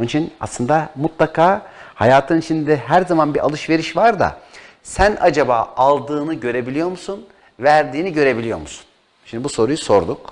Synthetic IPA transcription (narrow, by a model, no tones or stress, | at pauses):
onit͡ʃʰina̰slˠɯnd̪amut̪lˠakʰaːhajaːt̪ʰɯnit͡ʃʰind̪d̪ɛɦæɾzamanbiɾʔa̰lˠɯʃve̞ɾiʃvaɾd̪a̰ | sænʔad͡ʒabaːalˠd̪ɯːnɯɟø̞ɾe̞bilʲijo̞ɾmusun | væɾd̪iːniɟø̞ɾe̞bilʲijo̞̰ɾmusu̥n | ʃimnd̪ibuso̞ɾujuso̞ɾd̪uk